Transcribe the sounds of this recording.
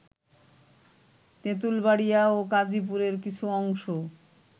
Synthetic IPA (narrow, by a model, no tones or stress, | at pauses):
t̪et̪̬ulbaɽijaokad͡ʑip̬uɾeɾkit͡ɕʰuɔŋʃo